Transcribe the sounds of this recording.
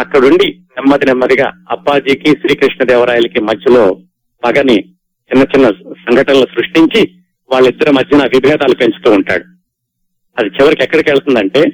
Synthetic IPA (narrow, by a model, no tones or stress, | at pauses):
ɐkːɐɽuɳɖinɛmːɐd̪inɛmːɐd̪iɡa̰ːɐpːaːd͡ʒiːkiʃɾiːkɾiʂɳɐd̪ɛːʋɐɾaːjulɐkimɐd͡ʒjɐlo̞ː | bɐɡɐni | t͡ʃinːɐt͡ʃinːɐsɐŋɡʱɐʈɐnɐlusɾuʂʈiɲt͡ʃi | ʋaːɭːid̪ːɐɾumɐd͡ʒːɐnɐɐbʱibʱɾaːt̪aːlupeɲt͡ʃu̥t̪uːɳʈa̰ːɽu | ɐd̪it͡ʃiʋɐɾikɛkːɐɽɐkɛːɭɐt̪und̪ɐɳʈe̞ː